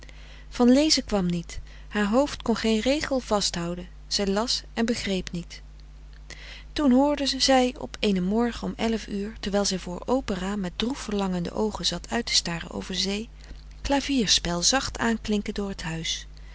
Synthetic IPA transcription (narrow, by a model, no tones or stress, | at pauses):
v̥ɑnlejzəkʋɑmnit | haːɹɦowftkɔnχejnrejχəlˠv̥ɑstɦɑwdən | z̥ɛjlɑsɛnbəχrejpnit | tunɦʊːɹdəz̥ɛjɔ̰pʰejnəmɔɹχəɔmɛləfyːɹtɛɹʋɛjlˠzɛjvʊːɹowpəraːmɛt̚drufəɹlɑŋəndə̰ʔowχənzɑtʰœɥtə̥staːrə̰nʔo̰wvəɹzej | klaːviːɹspɛlˠzɑχtʰaːnklɪŋkəndʊːɹətɦœɥs